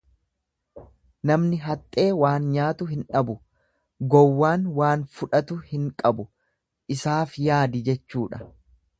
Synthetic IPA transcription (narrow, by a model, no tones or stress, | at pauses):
nɐmnɪɦɐt̪ʼːe̞ːwaːnɲaːt̪ʊɦɪnᶑɐbʊ | ɡɔwːaːnwaːnfʊᶑɐt̪ʊhɪŋkʼɐbʊ | ʔɪsaːfjaːd̪ɪd͡ʒɛt͡ʃːuːᶑɐ̥